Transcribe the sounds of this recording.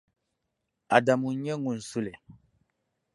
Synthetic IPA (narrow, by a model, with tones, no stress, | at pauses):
a˨da˨mu˨˦ɲɛ˦ŋu˨n̩˨su˦le˨